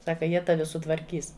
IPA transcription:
ˈsɑːkɐ ˈjiɛ ˈtɑːʋʲɪ sʊtʋɐrʲˈkʲiːs

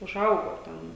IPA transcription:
ʊˈʒɐʊɡoː ˈtʲɛn

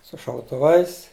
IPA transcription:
sʊ ʃɐʊtʊˈʋɐɪs

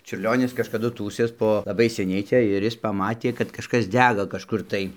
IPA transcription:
t͡ʃʲʊrʲˈlʲoːnʲɪs kɐʃkɐˈdʊ ˈtuːsʲeːs ˈpoː lˠɐˈbɐɪ sʲɛˈnʲɛɪ ˈt͡sʲɛ ɪr ˈjɪs pɐˈmɑːtʲeː kɐt kɐʃˈkɐs ˈdʲæːɡɐ kɐʃˈkʊr tɐɪ

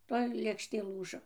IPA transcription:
ˈtoːj lʲeːkʃʲˈtʲeː ˈlˠuːʒoː

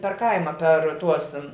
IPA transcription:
pʲɛr ˈkɐɪmɐ pʲɛr ˈtuɔs

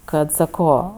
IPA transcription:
ˈkɐt sɐˈkoː

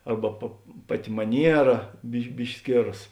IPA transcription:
ˈɐrbɐ pɐ ˈpɑːˌtʲɪ mɐˈnʲiɛrɐ bʲɪʃ ˈbʲɪʃʲkʲɪ ˈsʲkʲeːrɐs

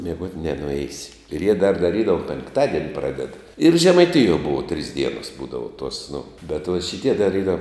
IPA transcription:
mʲiɛˈɡuɔtʲ nʲɛnʊˈɛɪsʲɪ ɪr jiɛ dɐr dɐˈrʲiːdɐʋʊ pʲɛŋkˈtɑːdʲiɛnʲɪ ˈprɑːdʲɛt ɪr ʒʲɛmɐɪˈtʲɪjuɔ ˈbʊʋoː tʲrʲiːs ˈdʲiɛnoːs ˈbuːdɐʋoː tuɔs nʊ bʲɛt ʋoːt ʃʲɪˈtʲiɛ dɐr ˈiːrɐ

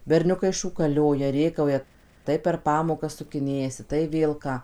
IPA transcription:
bʲɛrʲˈnʲʊkɐɪ ʃuːkɐˈlʲoːjɛ ˈrʲeːkɐʊjɛ ˈtɐɪ pʲɛr ˈpɑːmoːkɐs sʊkʲɪˈnʲeːjɛsʲɪ tɐɪ ˈʋʲeːlˠ kɑː

